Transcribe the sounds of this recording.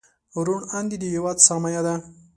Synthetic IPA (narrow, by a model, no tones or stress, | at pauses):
ɾuɳand̪id̪iɦewad̪samajad̪a